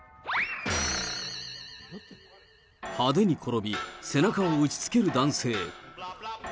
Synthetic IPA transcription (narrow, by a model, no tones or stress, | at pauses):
had̪enikʰoɾobisenakʰawaut͡ɕi̥t͡sɨ̥keɾɯd̪anse